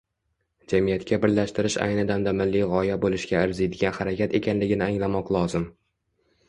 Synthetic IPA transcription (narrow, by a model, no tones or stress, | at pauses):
d͡ʒamijat̪kʰʲabɪɾlaʃt̪ɪɾɪʃa̰jnɪd̪amd̪amɪlːɪʁɒjabolˠɪʃɡʲaɪɾzid̪ɪɡʲanχaɾakʲʰat̪e̞kʲanlɪɡʲɪnɪaŋlamɒqlˠɒzɪm